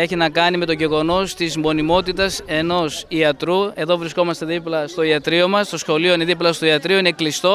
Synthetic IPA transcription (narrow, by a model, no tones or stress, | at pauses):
e̞çinɐkɐnime̞t̪o̞ʝe̞ɣo̞no̞st̪izmbo̞nimo̞t̪it̪ɐse̞no̞siɐt̪ɾue̞ðo̞vɾisko̞mɐst̪e̞ðiplɐst̪o̞iɐt̪ɾio̞mɐst̪o̞sxo̞lio̞ineðiplɐst̪o̞iɐt̪ɾio̞ineklist̪o̞